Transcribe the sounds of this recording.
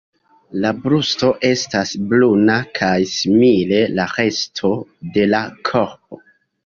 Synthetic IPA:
labɾusto̞ʔe̞stasblunakʰajsimile̞laɾe̞stʰo̞de̞lakʰo̞ɾp̚o̞

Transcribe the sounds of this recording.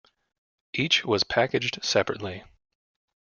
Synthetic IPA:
ʔit͡ʃwʌz̥pʰækɨd͡ʒd̥sɛpɹɨ̰tˡli

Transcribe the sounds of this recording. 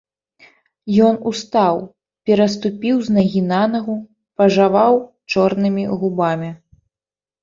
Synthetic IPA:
jɔnust̪aw | pʲɛɾɐst̪upʲiwznɐɣʲinanɐɣu | pɐʐavaw | t͡ʂɔrnɨmʲiɣubamʲi

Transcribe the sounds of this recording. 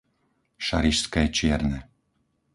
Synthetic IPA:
ʃaɾiʃskɛːt͡ʃɪɛɾnɛ

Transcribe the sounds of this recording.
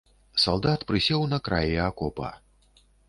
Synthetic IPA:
salˠd̪at̪pɾɨsʲɛwnɐkɾa̰jiakɔpɐ̰

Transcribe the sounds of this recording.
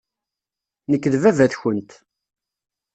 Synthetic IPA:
nəkːðvævæθçənt̪

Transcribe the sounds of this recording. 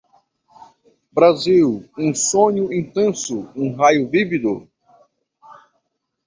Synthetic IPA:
bɾaziwũsõɲʊĩnt̪ẽsʊũɦajʊvivid̪ʊ

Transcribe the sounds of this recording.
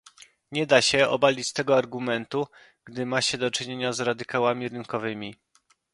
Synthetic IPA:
ɲɛd̪aɕɛɔ̰balʲit͡ɕst̪ɛɡɔaɾɡumɛnt̪u | ɡ̥d̪ɘmaɕɛd̪ɔt͡ʂɘɲeɲazɾad̪ɘkawamʲiɾɘŋkɔvɘmʲi

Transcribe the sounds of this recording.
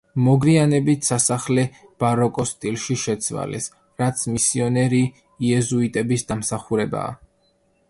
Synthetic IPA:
mɔɡɾianɛbit̪ʰsasaχlɛb̥aɾɔkʼɔst̪ʼilˠʃiʃɛt̪sʰva̰lɛ̰s | ɾat̪sʰmisiɔnɛɾiː | ɛzuit̪ʼɛbisd̪amsaχuɾɛba̰ː

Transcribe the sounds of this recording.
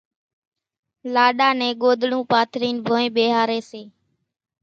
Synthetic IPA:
laːɗaːnɛ̃ːɠoːd̪ɽũːpaːt̪ɾiːnbʱoːẽːɓeːɦaːɾeːseː

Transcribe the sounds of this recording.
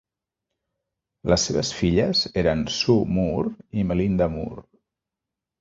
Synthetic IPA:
ləsːeβ̞əsfiʎəzeɾənsumuɾiməlind̪əmṵɾ

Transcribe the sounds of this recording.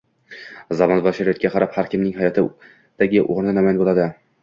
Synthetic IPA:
zɒmɒnbɒʃaɾajot̪̚kʲaqʰɑɾaphaɾkʲɪmnɪŋɦajɒt̪ʰɪ | d̪̥aɡʲɪʔoɾnɪnamanbolˠad̪ɪ

